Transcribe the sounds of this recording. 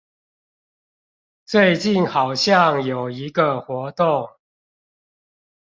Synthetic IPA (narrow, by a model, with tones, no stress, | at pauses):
t͡swe˥˧ɪt͡ɕi˥˨nxɑ˨˩ʊɕjɑ˥˨ŋjo˨˩ʊi˨˦ɡə˧xwɔ˨˥˦t̪o˥˨ŋ